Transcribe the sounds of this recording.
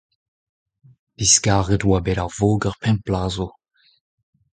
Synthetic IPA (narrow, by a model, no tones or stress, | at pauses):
b̥iskaːʁətwabɛɾaʁvoːɡəʁpʰɛ̃nplaːzo